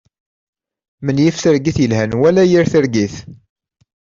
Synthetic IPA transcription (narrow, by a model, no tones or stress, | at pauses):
mənjifθəɾɡiθjəlhænwælæjiɾθəɾɡiθ